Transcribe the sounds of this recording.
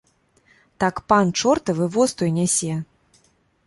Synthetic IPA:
t̪akpant͡ʂɔrt̪ɨvɨvɔst̪ɔjnʲɛsʲɛ

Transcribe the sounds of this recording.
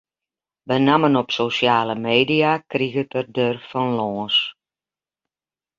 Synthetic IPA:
bənamənɔpsosjaːləmeːdiakriɣətərdørfɔnlɔːs

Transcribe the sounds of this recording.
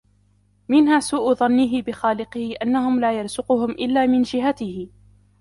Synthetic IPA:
mɪnhaːsuːʔʊðˤɑnːɪɦɪbɪxaːlɪqɪhɪʔanːahʊmlaːjɑɾˤzʊqʊhʊmʔɪlːaːmɪnd͡ʒɪɦat̪ɪhɪ

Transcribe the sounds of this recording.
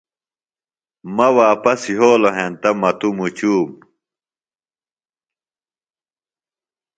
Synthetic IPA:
mɐwaːpɐsiɦoːloɦent̪ɐmɐt̪umut͡ɕuːm

